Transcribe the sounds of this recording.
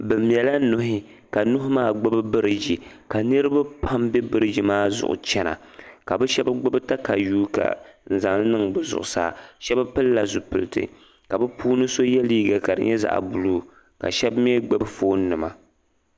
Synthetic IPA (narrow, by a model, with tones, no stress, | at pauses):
bɨ˨m˨ɛ˨la˦nʊ˦ɦɪ˦ | ka˨nʊ˦ɦʊ˦maː˦˨ɡ͡bʊ˦bɨ˦bɨ˦ɾɨ˨d͡ʒi˨ | ka˨nɨ˦ɾɨ˦ba˦pʰa˦mbɛ˦bɨ˦ɾɨ˦d͡ʒi˦maː˦zʊ̰˨ʔʊ̰˨t͡ʃɛ˦na̰˨ | ka˨bɛ˦ʃɛ˦ba˦ɡ͡bʊ˦bɨ˦ta˦ka˨juː˦ka̰˨n̩˨za˨ŋlnɨ˦ŋbɨ˨zʊ̰˨ʔʊ̰˨sa̰ː˦˨ʃɛ˦ba˦pɨ˦lːa˨zʊ˨pɨ˨lɨ˨tɨ̰˨ | ka˨bɨ˦puː˦nɨ˦so˦jɛ˦liː˦ɡa˨ka˨dɨ̰˨˦ɲɛ˦za̰˨ʔbu˨luː˦ | ka̰˨ʃɛ˦bm˦ɛ˦ɡ͡bɨ˦bfoː˦n˦nːɨ˨ma˨